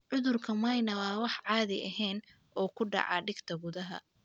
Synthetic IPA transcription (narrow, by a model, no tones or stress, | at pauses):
ʕʊðʊrkʰɐmɐjnɐwɑːwɑħʕɑːðɪʔɐɦɛːn | ʔɔːkʰʊɖɑ̰ʕɑ̰ːɖɪɡt̪ʰɐɡʊðɐɦɐ̰